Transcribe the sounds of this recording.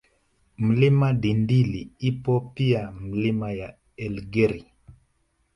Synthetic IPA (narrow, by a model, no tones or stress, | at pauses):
m̩limadindiliipɔpiam̩limaja | ɛlɡɛɾi